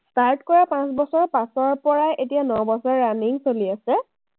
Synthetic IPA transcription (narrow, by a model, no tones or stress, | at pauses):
staɹtkɔɹapãsbɔsɔɹpãsɔɹpɔɹajʔetijanɔbɔsɔɹːaniŋsoliasɛ